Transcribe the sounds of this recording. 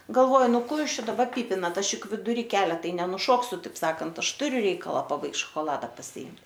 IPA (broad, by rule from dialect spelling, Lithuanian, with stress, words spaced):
ɡɐlˠˈʋoːj ˈnʊ ˈkoː ˈjuːs ˈt͡ʃʲɛ dɐˈbɐr ˈpʲiːpʲɪnɐt ˈɐʃ ˈjʊk ʋʲɪdʊˈrʲiː ˈkʲæːlʲɛ ˈtɐɪ nʲɛnʊˈʃoːksʲʊ ˈtɐɪp ˈsɑːkɐnt ˈɐʃ ˈtʊrʲʊ ˈrʲɛɪkɐlˠɐ pɐˈbɐɪkt ʃoːkoːˈlˠɑːdɐ pɐsʲɪˈɪmt